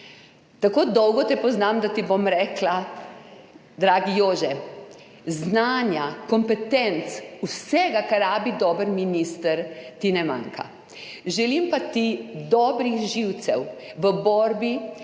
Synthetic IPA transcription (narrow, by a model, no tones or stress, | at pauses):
t̪akoːd̪ɔwɡɔt̪ɛpɔznamd̪at̪ibomɾɛːkla | d̪ɾaːɡijoːʒɛ | znaːnjakɔmpɛt̪ɛnt̪susɛɡakaɾaːbid̪ɔːbəɾminist̪əɾt̪inɛma̰ŋkʰa̰ | ʒɛlimpat̪id̪ɔːbɾixʒiwt̪sɛwʋəbɔːɾbi